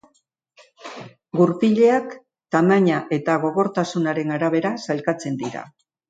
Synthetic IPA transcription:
ɡuɾpiʎe̞ak | t̪amaɲaʔe̞t̪aɣ̞o̞ɣo̞ɾt̪asunaɾe̞ŋaɾaβ̞e̞ɾasalkat͡se̞nd̪iɾa̰

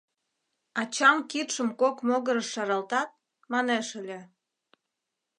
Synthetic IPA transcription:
ɑt͡ɕɑmkit̪ʃəmkokmoɣəɾəʃːɑɾɑlt̪ɑt̪̚ | mɑneʃəlʲe

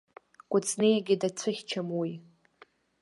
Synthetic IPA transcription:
kʷʼʊt͡sʰʼnejaɡʲɪdat͡sʷʰɨχʲt͡ʃʰamwi

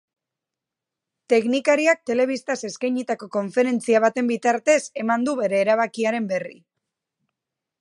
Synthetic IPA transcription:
t̪e̞knikaɾiak̚t̪e̞le̞β̞ist̪ase̞skajɲit̪ako̞ko̞ɱfe̞ɾe̞nt͡siaβ̞at̪e̞mbit̪aɾt̪e̞se̞mand̪uβe̞ɾe̞ːɾaβ̞akiaɾe̞mbe̞rḭ

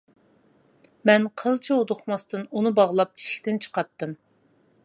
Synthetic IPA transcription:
mɛnqʰəlˠt͡ʃʰiud̪oχmɑst̪ɨnunɨbɑʁlˠɑp̚i̥ʃʲkʲt̪ɪnt͡ʃʰə̥qɑt̪ːɨm

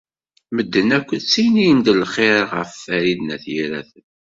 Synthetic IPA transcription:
məd̪ːənækʷːət͡sːijnijənd̪əlχeɾʁəfːæɾid̪næθjiɾæ̰θən

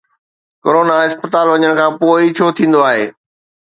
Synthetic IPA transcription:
koɾoːnaɪspət̪aːlʋɐɲəɽ̃kʰãːpoːit͡ɕʰoːt̪ʰĩːn̆d̪oaːɦeː

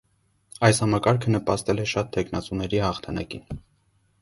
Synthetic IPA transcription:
ɑjshɑmɑkɑɾkʰənəpɑst̪ɛlɛʃɑt̪ʰːɛkʰnɑt͡sunɛɾihɑχt̪ʰɑnɑ̰kḭn

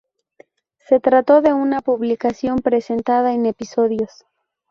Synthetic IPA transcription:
se̞t̪ɾat̪o̞ðe̞unapuβlikasjo̞mpɾe̞se̞nt̪aðaene̞piso̞ðjo̞s

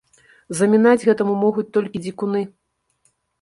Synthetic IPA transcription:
zɐmʲinad͡zʲɣɛt̪ɐmumɔɣut͡s̚ʲt̪ɔlʲkʲid͡zʲikunɨ

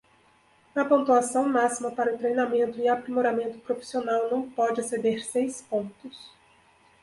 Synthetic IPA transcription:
ɐpõnt̪uasɐ̃w̃masimɐpaɾɐʊt̪ɾejnamẽnt̪ʊɪapɾimoɾamẽnt̪ʊ̥pɾofi̥sionawnɐ̃w̃pɔd͡ʒɪased̪eɾsejspõnt̪ʊs

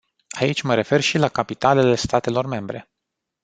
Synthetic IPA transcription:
ait͡ʃʲməɾe̞fe̞rʃilakapit̪ale̞le̞st̪at̪e̞lo̞rme̞mbɾe̞̰

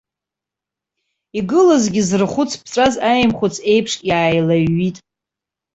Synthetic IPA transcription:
iɡɨlazɡʲɪzrχʷʊt͡sʰpʰt͡sʷʼazajmχʷʊt͡sʰe̞jpʰʂjaːjlaɥːitʼ

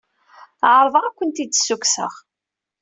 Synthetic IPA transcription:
ʕɾˤvəʁækʷːənt̪id̪sːuksə̰ʁ

